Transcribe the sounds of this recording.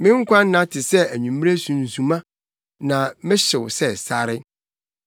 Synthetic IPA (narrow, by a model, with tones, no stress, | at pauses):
mɪ̃˦ŋ̩˦kʷʰã˦n˦nːã˦tʰɪ˨sɛ˦æ˨ɲũ˨m̃ː˦e˦sũ˨n̩˨zũ˨mã˦ | nã˨mɪ̃˦ɕɪ˨wsɛ˦˨sa˦ɾɪ˦